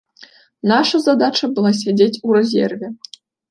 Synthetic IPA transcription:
nɑʂɐzad̪at͡ɕɐbɨlˠɑs̬ʲedʲetʲuɾʲezʲḛrʲvʲe

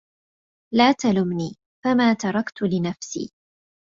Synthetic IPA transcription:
laːt̪alʊmniː | famaːt̪ɑɾˤɑkt̪ʊlɪnafsḭː

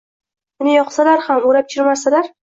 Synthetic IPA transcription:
ɪnɪjɒqsalaɾhamʊɾap̚t͡ʃʰɪɾmasalaɾ

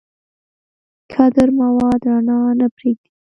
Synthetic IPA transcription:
kʰad̪əɾmawɑd̪ɾanɑnapɾeɡ̚d̪i

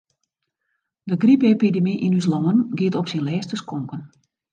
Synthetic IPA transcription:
dəɡripepidemiʔinys̬lɔŋənɡiətɔpsinlɛːstəskɔŋkən

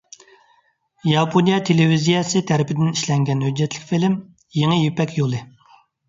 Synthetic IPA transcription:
jɑpʰonijɑt̪ʰelevizijɑsɨt̪ʰæɾɪpʰɪd̪ɪniʃlɛŋɡʲɛnhød͡ʒːɛt̪ʰlɪkʲfilɪm | jeŋɨjepɛkʲjolˠɨ

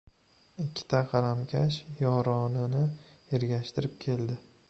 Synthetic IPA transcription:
ɪkʲʰːɪ̥t̪ʰaqʰɑɾamkʲʰaʃjɒɾɒnɪnɪ | e̞ɾɡʲaʃt̪ʰɪɾɪp̚kʲʰe̞ld̪ɪ

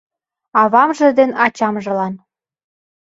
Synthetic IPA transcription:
ɑβɑmʒə̆d̪enɑt͡ɕɑmʒɤ̆lɑn

